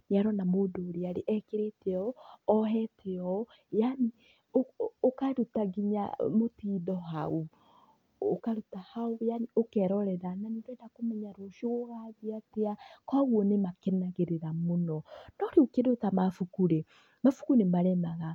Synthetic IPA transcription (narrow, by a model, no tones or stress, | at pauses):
neaɾɔnamoːdoːɾeaɾeʔɛkeɾetɛɔɔɦɛtʰeɔ | jani | ookaɾutaɡiɲa̰motiːðɔɦau | okaɾutahaoaniokɛɾɔɾɛðananedwɛndakomɛɲaɾoʃooɣaðiateakwaɣwɔnemakɛnaɣeɾeɾamonɔnɔɾeokedotamafukuɾe | mafu̥kunemaɾɛnaɣa